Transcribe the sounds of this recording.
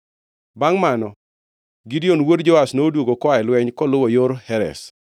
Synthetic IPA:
baŋmanɔ | ɡidionwodd͡ʒɔasnoːdwoɡokwaɛlwɛɲkɔlʊwɔjoɾhɛɾɛ̰s

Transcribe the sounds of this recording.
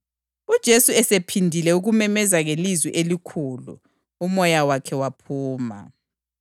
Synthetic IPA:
ud̥ʒ̥ʱesuɛsepʰindʱilɛuɣumɛmɛzaɣelizwḭʔelikʰuːlṵ | umɔjawakʰɛwapʰuːma̰

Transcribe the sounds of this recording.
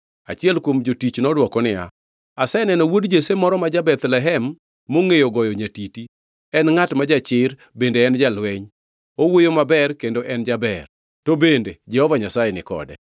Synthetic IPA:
at͡ʃɪɛlkwomd͡ʒotit͡ʃnɔdwɔkɔnɪja̰ | asɛnɛnɔwodd͡ʒesemɔɾɔmad͡ʒabɛt̪lɛɦɛmː | oŋejoɡɔjɔɲatiti | ɛnŋatmad͡ʒat͡ʃɪɾ | bendeːnd͡ʒalwɛɲ | owojomabɛrkendoʔɛnd͡ʒabɛr | tobended͡ʒɛhɔvaɲasajenɪkɔ̰dɛ̰

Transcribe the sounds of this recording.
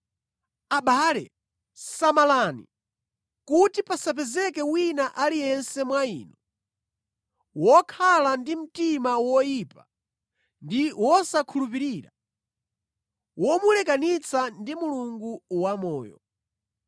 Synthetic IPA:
aɓaːlɛ | samalanḭ | kutipasap̬ɛzɛkɛwinaʔalijɛnsɛmwaḭːnɔ | wɔkʰalandim̩timawɔjipa | ndiwɔsakʰulup̬iɾiːɾa | wɔmulɛkanit͡sandimuluŋɡuwamɔːjɔ̰

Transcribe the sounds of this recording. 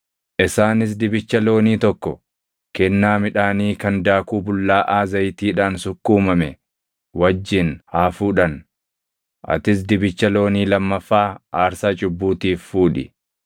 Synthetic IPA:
ʔɪsaːnɪs̬d̪ɪbɪt͡ʃːɐlo̞ːniːt̪ɔkːɔ | kɛnːaːmɪᶑaːniːkɐnd̪aːkuːbʊlːaːʔaːzɐjt̪iːᶑaːnsʊkːuːmɐmɛ | wɐd͡ʒːɪnhaːfuːᶑɐn | ʔɐ̰t̪ɪs̬d̪ɪbɪt͡ʃːɐlo̞ːniːlɐmːɐfːaːaːɾsaːt͡ʃʼʊbːuːt̪iːfːuːᶑɪ̰

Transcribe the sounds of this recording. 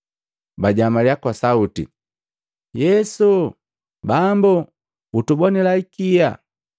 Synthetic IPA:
baɟamaljakwasautḭ | jɛsu | bambu | utubɔnilaikija̰

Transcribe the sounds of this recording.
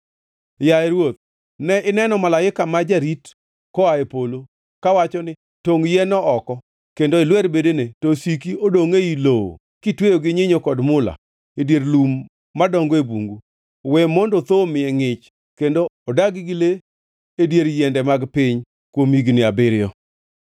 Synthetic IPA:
jaɛɾwot̪̚ | nɛʔɪnɛnɔmalaɪkamad͡ʒaɾit | kɔaepolo | kawat͡ʃɔnɪ | toŋjɛnɔʔɔkɔ | kendoɪlwɛɾbedenetosikiodoŋeiloo̰ | kɪtwejoɡɪɲɪɲokɔdmʊla̰ | edjeɾlumː | adɔŋɡɔebuŋɡu | wɛmondot̪omɪɛŋɪt͡ʃ | kendoɔdaɡɪɡɪle | edjeɾjɛndɛmaɡpɪɲ | kwomiɡnɪabɪɾɪjɔ

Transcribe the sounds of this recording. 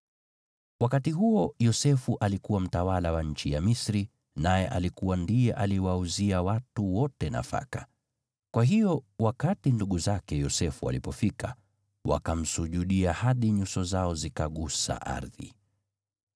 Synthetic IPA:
wakatiɦuɔjɔsɛfuʔalikuwam̩tawalawaɲ̩t͡ʃijamisɾi | najɛʔalikuwandijɛʔaliwauziawatuwɔtɛna̰fa̰ka | kwaɦiɔwakatinduɠuzakɛjɔsɛfua̰lipɔfika | wa̰kam̩suʄuɗiahaɗiɲusɔzaɔzikaɠusa̰ʔa̰ɾðḭ

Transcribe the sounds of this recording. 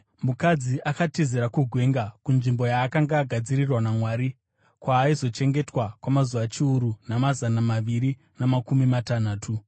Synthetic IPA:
mukad͡ziʔakatiziɾakuɡʱwe̞ŋɡakunʐimbo̞jaːkaŋɡaːɡʱad͡zirirwanamwaːɾi | kwaːizo̞t͡ʃe̞ŋɡe̞twakwamazuʋat͡ʃiuɾunamazanamaʋiɾi | namakumimatanaːtʰu

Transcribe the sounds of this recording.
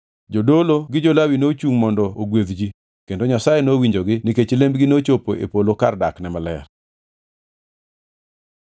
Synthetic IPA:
d͡ʒodoloɡɪd͡ʒolawinot͡ʃuŋmɔndɔoɡweðd͡ʒi | kendoɲasajenowiɲd͡ʒoɡɪnɪket͡ʃlembɡɪnot͡ʃopoʔḛpolokardaknɛmalɛr

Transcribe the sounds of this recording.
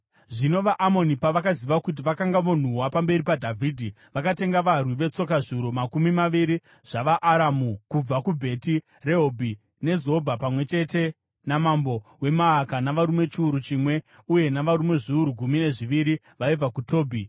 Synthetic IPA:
ʐino̞ʋaʔamo̞nipaʋakaziʋakut̬iʋakaŋɡaʋo̞n̤uwapambe̞ɾipadʱavʱiːdʱi | ʋakate̞ŋɡaʋarwiʋe̞t͡so̞kaʐuɾomakumimaʋiɾi | ʐ̥aʋaʔːɾamukub͡vakubʱe̞ti | re̞ɦobʱi | ne̞zoobʱapamwe̞t͡ʃe̞te̞ | namambo̞we̞maːkanaʋaɾume̞t͡ʃiuɾut͡ʃimwe̞ | uje̞naʋaɾume̞ʐiuɾuɡʱumine̞ʐiʋiɾi | ʋaib͡vakuto̞ːbʱi

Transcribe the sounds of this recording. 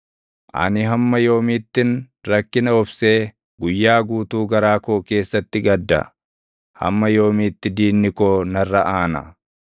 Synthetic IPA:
ʔɐ̰nɪɦɐmːɐjo̞ːmiːt̪ːɪn | ɾɐkːɪnɐɔbse̞ː | ɡʊjːaːɡuːt̪uːɡɐɾaːkoːke̞ːsːɐt̪ːɪɡɐd̪ːɐ̰ | hɐ̰mːɐjo̞ːmiːt̪ːɪd̪iːnːɪkoːnɐrːɐʔaːnɐ̰

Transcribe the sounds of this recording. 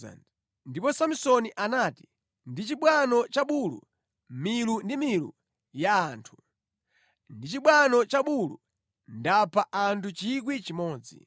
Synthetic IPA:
a̰n | ndipɔsamusɔniʔanaːti̥ | ndit͡ʃiɓwanɔt͡ʃaɓulṵ | milundimilṵ | jaːntʰu̥ | ndit͡ʃiɓwanɔt͡ʃaɓulṵ | ndapʰaʔantʰut͡ʃik̬wit͡ʃimɔːd͡zḭ

